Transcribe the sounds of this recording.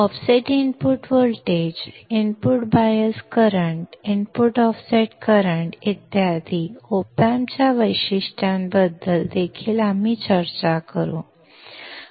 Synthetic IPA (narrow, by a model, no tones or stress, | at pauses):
ɔfseʈinpuʈʋəlʈed͡ʑinpuʈbajəskəɾəɳʈinpuʈɔfseʈkəɾəɳʈit̪jad̪iopamt͡ɕjaʋəjɕiʂʈjãmbəd̪ːəld̪ekʰiːlam̤it͡ɕəɾt͡ɕakəɾõ